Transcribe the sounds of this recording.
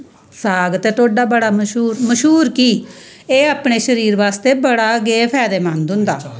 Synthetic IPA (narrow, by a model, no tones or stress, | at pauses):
saːɡt̪eːt̪ʰoːɖaːbəɽaːməʃuːɾməʃɦuːɾkiː | eːaːpɳeːʃəɾiːɾʋaːst̪eːbəɽaːɡeːpʰɛːd̪eːmãnd̪ɦʊ̃nd̪a̰ː